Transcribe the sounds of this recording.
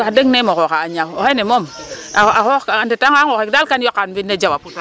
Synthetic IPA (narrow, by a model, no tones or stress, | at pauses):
adeŋnemokokaaɲawoenemom | aaxokaandetaŋaŋokekdalkanjokːanbinːed͡ʒawaput